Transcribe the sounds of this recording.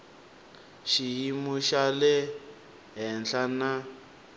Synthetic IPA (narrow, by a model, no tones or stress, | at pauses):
ʃiɦimuʃalɛ | ɦɛnɬana